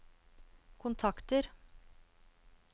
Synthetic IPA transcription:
kʰʊnt̪ʰɑkt̪əɾ

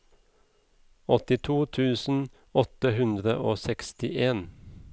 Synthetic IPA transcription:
ɔt̪ɪt̪ʰuːt̪ʰʉːsn̩ | ɔt̪əhʉnd̪ʁəʔoːsɛkst̪ɪʔeːn

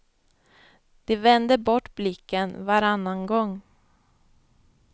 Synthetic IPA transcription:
d̪̥ɛvɛnd̪əbɔʈːblɪkːənvaɾanːanɡɔŋː

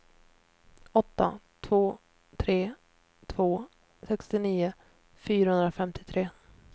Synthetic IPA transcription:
ɔt̪ːa̰t̪ʰvoː | t̪ʰɾeː | t̪ʰv̥oː | sɛkst̪ɪniːʊ | fyːɾahɵnd̪ɾafɛmt̪ʰɪ̥t̪ʰɾeː

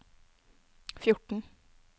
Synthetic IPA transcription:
fjʊʈn̩ɳ̩

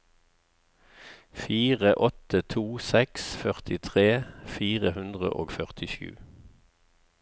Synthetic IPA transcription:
fiːʁəʔɔt̪ət̪ʰuːsɛksfœʁt̪ɪt̪ʰʁeːfiːʁəhʉnd̪ʁə̰ʔo̰ːɡfœʁt̪ʰɪʃʉ̰ː

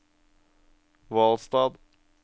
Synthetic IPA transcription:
ʋɑːlst̪ɑːd̪

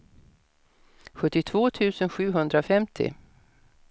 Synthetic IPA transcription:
ɧɵt̪ːɪt̪ʰv̥oːt̪ʰʉ̟ːsənɧʉ̟ːɦɵnd̪ɾafɛmt̪ʰɪ̰

